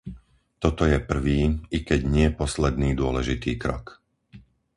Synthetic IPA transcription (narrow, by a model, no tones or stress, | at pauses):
t̪ɔt̪ɔjɛpr̩ʋiːikɛɟɲɪɛpɔslɛd̪niːd̪ʊɔlɛʒit̪ḭːkɾɔ̰k